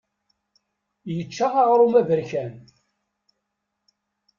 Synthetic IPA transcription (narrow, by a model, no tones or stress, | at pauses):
jət͡ʃːaʁaʁɾˤumævəɾçæn